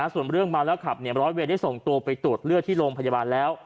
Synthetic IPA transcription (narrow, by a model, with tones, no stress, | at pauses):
a˧˥su˨˩ənɾɯ˥˩əŋbaː˧wlɛː˦˥kʰa˨˩p̚ni˥˩əɾɔː˦˥we˧nda˥˩jso˨˩ŋt̪u˧ɐpa˧jt̪u˨˩ət̪̚lɯ˥˩ət̪ʰiː˥˩ɾoː˧ŋpʰa˧jaː˧baː˧nlɛː˦˥w